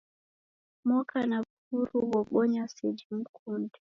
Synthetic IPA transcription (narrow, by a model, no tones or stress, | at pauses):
mɔkʰana | uɾuwɔɓɔɲasɛd͡ʒim̩kʰundi